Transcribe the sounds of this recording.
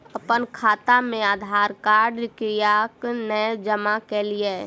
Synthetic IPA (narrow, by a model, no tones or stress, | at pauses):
əpənkʰaːt̪amẽaːd̪ʱaːɾkaːɾɖɪkɾijaknəd͡ʒəmakɛlie